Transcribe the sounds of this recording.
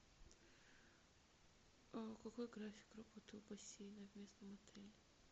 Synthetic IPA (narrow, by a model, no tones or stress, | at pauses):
akɐkojɡɾafʲɪ̥krɐbot̪əlˠbɐsʲejnɐvʲmʲe̞snəmɐt̪ʰɛlʲɪ